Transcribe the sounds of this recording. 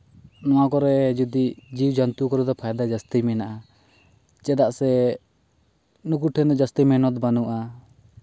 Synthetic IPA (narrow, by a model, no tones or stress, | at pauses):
nɔwakɔɾɛd͡ʒud̪id͡ʒiwd͡ʒant̪ukɔɾud̪ɔpʰajd̪ad͡ʒast̪imɛnaʔa | t͡ʃɛd̪aʔsɛ | nuk̬uʈʰɛnd̪ɔd͡ʒast̪imɛnɔt̪banuʔa